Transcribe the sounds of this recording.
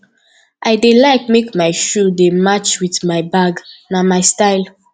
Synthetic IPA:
ʔaɪdelaɪk̚mekmaɪʃudemat͡ʃwitmaɪbaɡnamaɪstaɪl

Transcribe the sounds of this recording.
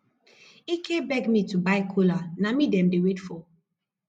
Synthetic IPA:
ikʰebɛɡmitubaɪkʰolanamidɛ̃mdewetfɔ

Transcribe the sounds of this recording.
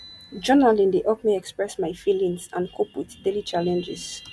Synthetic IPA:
d͡ʒɔnalĩndeʔɔkmiɛkspɹɛsmajfilĩŋsãnkʰoputdelit͡ʃalɛ̃nd͡ʒɪz

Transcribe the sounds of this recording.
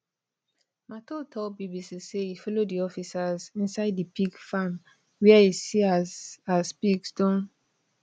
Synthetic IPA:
matotʰɔbibisiseifɔlodiɔfisazĩnsaɪdipiɡfãm | wɛɛisiazazpiɡstɔ̃n

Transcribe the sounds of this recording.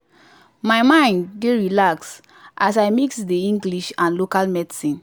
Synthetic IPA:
maɪmãɪ̃ndːeɹilaks | ʔasajmiksdeĩŋɡliʃãnlokalmɛdsĩn

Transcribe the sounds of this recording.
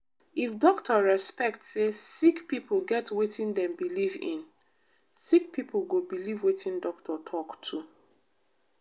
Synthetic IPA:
ifdɔktʰəɹɛspɛk̚tsesikpipʰolɡɛtwetĩndɛ̃mbilivḭ̃n | sik̚pʰipʰolɡobilivwetʰĩndɔk̚tʰɔtʰɔktʰu

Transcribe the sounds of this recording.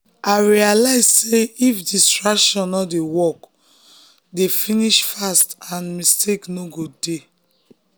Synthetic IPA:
aɪɹialaɪzseifdistɹakʃɔ̃nːɔdewɔk | defĩniʃfastãnmistʰeknoɡode

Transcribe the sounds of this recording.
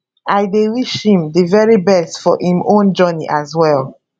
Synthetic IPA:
aɪdewiʃhĩmðivɛɹibɛstfɔ̰ʔĩmõnd͡ʒɔnḭʔazwɛl

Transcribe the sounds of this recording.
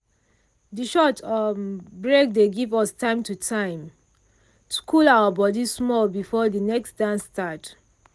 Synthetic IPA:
diʃɔtʰɔbɹek̚deɡivɔstʰãɪ̃mtutʰãɪ̃m | tu̥kʰulawəbɔdismɔlbifɔdinɛksdãnstat

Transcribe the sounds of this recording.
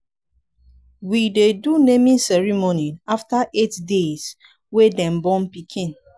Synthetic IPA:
widedunemĩnsɛɹimoniaftaʔetdes | wedɛ̃mbɔ̃npikʰĩn

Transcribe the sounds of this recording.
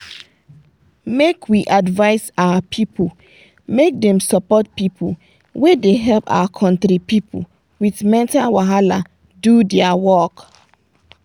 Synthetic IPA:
mekʰwiʔadvaɪsawapʰipʰu | mek̚dɛ̃msɔpɔt̚pipʰu | wedeɦɛlpa̰wakʰɔ̃ntɾipipṵ | witmɛ̃ntawaɦala | dudɛawɔk

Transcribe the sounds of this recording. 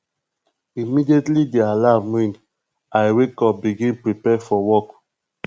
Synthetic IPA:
imidietlidealavmĩn | ajwekɔp̚biɡĩnpɹipɛfɔwɔk

